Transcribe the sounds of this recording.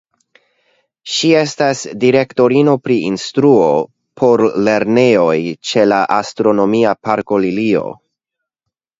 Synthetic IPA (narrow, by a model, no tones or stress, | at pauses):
ʃie̞stasdiɾe̞kto̞ɾino̞pɾiinstɾuo̞ | pʰo̞ɾle̞ɾne̞o̞jt͡ʃe̞laʔastɾo̞no̞miapaɾko̞lilio̞̰